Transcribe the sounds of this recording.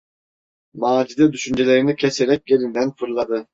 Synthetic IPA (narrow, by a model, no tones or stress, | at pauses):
maːd͡ʒid̪ɛd̪yʃynd͡ʒelʲe̞ɾinicʰeseɾɛc̚je̞ɾind̪ænfɯɾlˠad̪ɯ